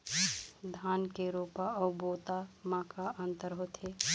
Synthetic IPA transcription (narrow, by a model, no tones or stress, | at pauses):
d̪ʱaːnkeɾoːpaɔːboːt̪amãːkaʔə̃nt̪əɾɦot̪ɦe